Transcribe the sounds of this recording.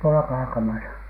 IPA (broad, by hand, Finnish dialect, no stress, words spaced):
tuolɑ kɑːkɑmɑsɑ